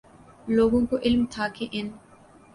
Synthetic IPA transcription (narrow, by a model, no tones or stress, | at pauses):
loːɡõːkoʔɪlmt̪ʰaːkeʔɪn